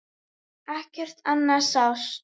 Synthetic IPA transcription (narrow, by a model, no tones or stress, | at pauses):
ahcɪr̥t̪anːasaws